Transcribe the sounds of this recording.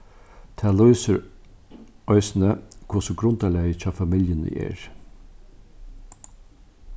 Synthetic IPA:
t̪ʰæːluʏsəɾ | ɔʏsnəkʰʊsʊɡɾʊnt̪aleɪt͡ɕʰɑːfɑmɪljənə̰ʔɛ̰ːɹ

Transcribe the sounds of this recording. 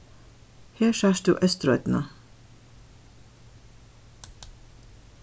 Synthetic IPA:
heːʃɑːʃd̪ṵːʔœst̪ɾœʏt̪n̩ɑ

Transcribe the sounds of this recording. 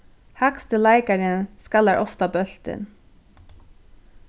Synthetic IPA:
hakst̪ʰɪlaɪkaɾɪnskalæɹʔɔft̪abœl̥t̪ɪ̰n

